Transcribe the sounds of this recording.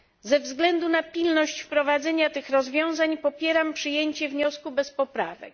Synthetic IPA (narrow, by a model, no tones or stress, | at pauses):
zɛvzɡlɛnd̪unapʲilnɔɕt͡ɕfpɾɔvad̪zɛɲat̪ɘxɾɔzvʲjɔ̃w̃zaɲpɔpʲjɛɾampʂɨjeɲt͡ɕɛvɲɔskubɛspɔpɾa̰vɛ̰k